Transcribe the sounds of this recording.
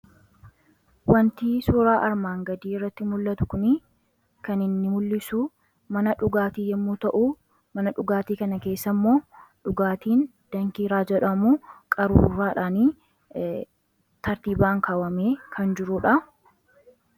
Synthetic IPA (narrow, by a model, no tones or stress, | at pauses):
wɐnt̪iːsuːɾaːʔɐɾmaːŋɡɐd̪iːɪrːɐt̪ːɪmʊlːɐt̪ʊ̥kʊnɪ | kɐnɪnːɪmʊlːɪsuː | mɐnɐᶑʊɡaːt̪iːjɛmːuːt̪ɐʔuː | mɐnɐᶑʊɡaːt̪iːkɐnɐke̞ːsːɐmːo̞ːᶑʊɡaːt̪iːnd̪̥ɐŋkiːɾaːd͡ʒɛᶑɐmuːkʼɐɾṵɾaːᶑaːniː | t̪ɐɾt̪iːbaːŋkaːwɐmeːkʰɐnd͡ʒɪɾuːᶑɐ